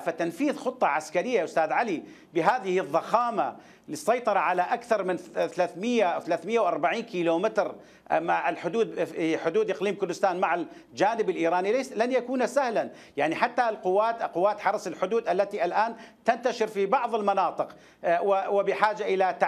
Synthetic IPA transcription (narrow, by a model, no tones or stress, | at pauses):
fat̪anfiːðxʊt̪ˤːɑʕaskaɾɪjːaʔʊst̪aːðʕali | bɪɦaːðɪhɪðˤːɑxaːma̰ | lisˤːɑjt̪ˤɑɾˤɑʕalaʔakθɑɾˤmɪnθalaːθmɪjːawθalaːθmɪjːawʔɑɾˤbaʕiːnkiːloːmɪt̪ɾ | ʔmaʕɪlħʊd̪uːd̪ħʊd̪uːd̪ʔɪqliːmkʊɾd̪ʊst̪aːnmaʕa | d͡ʒaːnɪbɪlʔiːɾaːnilanjakuːnasahlan | jaʕniħat̪ːalqʊwːaːt̪qʊwːaːt̪ħɑɾˤɑsɪlħʊd̪uːd̪ʔalːat̪iʔalʔaːnt̪ant̪aʃɪɾfibɑʕðˤɪlmɑnɑːt̪ˤɨq | wɪwɪbɪħaːd͡ʒaʔɪlat̪a